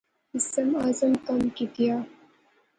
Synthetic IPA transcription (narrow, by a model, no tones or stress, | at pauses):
isɐmaːzɐmkɐmkit̪ija